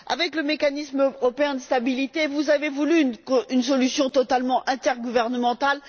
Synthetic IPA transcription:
a̰vɛkləmekanismøʁɔpeɛ̃d̪əst̪abilit̪evuzavevulynkynsɔlysjɔ̃t̪ɔt̪almɑ̃ʔɛ̃t̪ɛʁɡuvɛʁnəmɑ̃t̪al

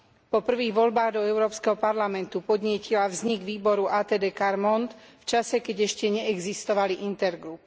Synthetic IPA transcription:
pɔpr̩ʋiːɣʋɔlbaːɣd̪ɔɛʊɾɔːpskɛɦɔpaɾlamɛnt̪upɔd̪ɲɪɛcilavzɲiɡʋiːbɔɾuʔaːt̪ɛd̪ɛːkaɾmɔnt̪ft͡ʃasɛkɛɟɛʃcɛɲɛɛɡzist̪ɔʋaliʔint̪ɛɾɡɾup

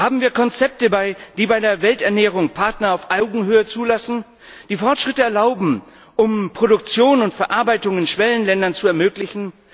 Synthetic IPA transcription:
haːbm̩viːɐkʰɔnt͡sɛp̚təbaɪd̥iːbaɪdeːɐvɛltɛɐnɛːʁ̞ʊŋpʰaɐtnɐaʊfʔaʊɡŋ̩ɦøːət͡suːlasn̩ | d̥iːfɔɐtʃʁ̥ɪtəɛɐlaʊbm̩ | ʔʊmpʁ̥oɾʊkt͡sjoːnʊntfɛɐʔaɐbaɪtʊŋɪnʃv̥ɛlənlɛndɐnt͡suɛɐmøːklɪçn̩

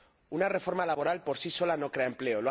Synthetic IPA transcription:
unare̞fo̞ɾmalaβo̞ɾalpo̞ɾsiso̞lano̞kɾeaemple̞ol

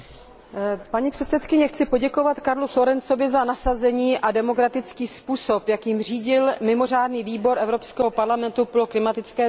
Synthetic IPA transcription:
paɲipr̝̥ɛt̪sɛt̪kɪɲɛxt͡sɪpo̞ɟɛko̞vat̪kaɾluflo̞ɾɛnso̞vɪzanasazɛɲiːʔadɛmo̞kɾat̪ɪt͡skiːspuːso̞pjakjɪmr̝iːɟɪlmɪmo̞r̝aːdniːviːbo̞ɾʔɛvɾopskɛːɦopaɾlamɛnt̪upoloklɪmat̪ɪt͡skɛː

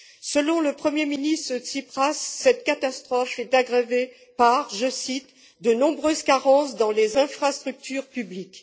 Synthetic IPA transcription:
səlɔ̃ləpχəmjeminist̪χət̪sipχasːɛt̪kat̪ast̪χɔfɛt̪aɡʁeve | paʁʒəsit̪ | d̪ənɔ̃bʁøzkaʁɑ̃sd̪ɑ̃lezɛ̃fχast̪χyk̚t̪yʁpyblik

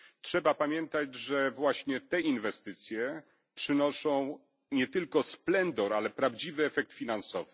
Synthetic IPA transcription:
tʂɛbapamʲjɛnt̪ad͡ʑʐɛvwaɕɲɛt̪ɛinvɛst̪ɘt̪sʲjɛ | pʂɘnɔʂɔ̃w̃ | ɲɛt̪ɘlkɔsplɛnd̪ɔɾalɛpɾavd͡ʑivɘɛfɛk̚t̪fʲinansɔ̰vɘ̥

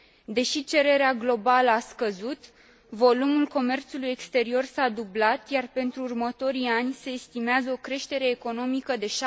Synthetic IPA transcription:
d̪e̞ʃit͡ʃe̞ɾe̞ɾeaɡlo̞baləaskəzut̪ | vo̞lumulko̞me̞rt̪suluje̞kst̪e̞ɾio̞rsad̪ublat̪jarpe̞nt̪ɾuːrmət̪o̞ɾianʲse̞ːst̪imeazəokɾe̞ʃt̪e̞ɾe̞ːko̞no̞mikəd̪e̞ʃa

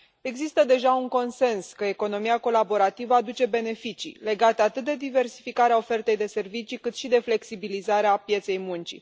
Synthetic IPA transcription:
e̞ɡzist̪əd̪e̞ʒauŋko̞nse̞nskəe̞ko̞no̞miako̞labo̞ɾat̪ivəad̪ut͡ʃe̞be̞ne̞fit͡ʃḭle̞ɡat̪əat̪ɨt̪̚d̪e̞d̪ive̞rsi̥fikaɾeao̞fe̞rt̪e̞jd̪e̞se̞rvit͡ʃikɨt̪ʃid̪e̞fle̞ksibilizaɾeapje̞t̪se̞jmunt͡ʃḭ

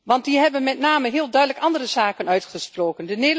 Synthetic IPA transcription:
ʋɑnt̚diɦɛbənmɛtnaːməɦɪəlˠdœɥdələkɑndərəzaːkənœɥtχəsproːkəndənɪ

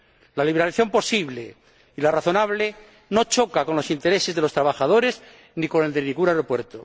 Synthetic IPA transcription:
laliβeɾaliθjo̞mpo̞siβle | ilaraθo̞naβle | no̞t͡ʃo̞kako̞nlo̞sint̪e̞ɾe̞se̞zðe̞lo̞st̪ɾaβaxaðo̞ɾe̞z | nikone̞ld̪enĩŋɡunajɾo̞pwe̞ɾt̪o

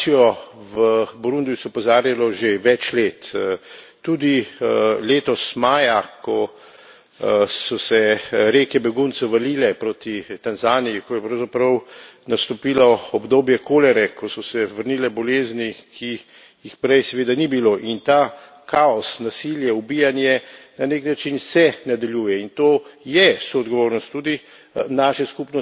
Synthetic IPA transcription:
ijɔʋəbɔɾũnd̪ijusɛɔpɔzaːɾjalɔʒeʋɛt͡ʃleːt̪ː | ud̪ileːt̪ɔsmaːjakɔ | sɔsɛɾeːkɛbɛɡunt̪sɛwʋɐliːlɛpɾoːt̪it̪anzaːnijikɔjɛpɾɐwzapɾɐwnast̪ɔpiːlɔɔbd̪oːbjɛkoːlɛɾɛkʰɔsɔsɛʋəɾniːlɛbɔleːznikʰi | jixpɾɛjsɛʋeːd̪anibiloːʔint̪aː | kʰaɔsnasiljɛubijanjɛnaneknat͡ʃinsɛnad̪aljuːjɛint̪oːjɛsoːd̪ɡɔʋoːɾnɔst̪ːuːd̪i | naːʃɛskupnɔ

